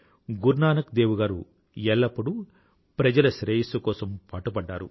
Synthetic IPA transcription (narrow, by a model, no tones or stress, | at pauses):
ɡuɾnaːnɐkd̪eːwuɡaːɾṵ | ɛɭːɐpːuɽu | pɾɐd͡ʒɐlɐʃɾeːjisɐkɔːsɐmpaːʈupɐɖːaːɾṵ